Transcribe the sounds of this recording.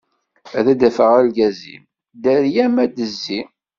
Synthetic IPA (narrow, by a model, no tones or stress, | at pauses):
æðæd̪æfəʁælɡæzḭm | d̪æɾjæmæd̪əzːi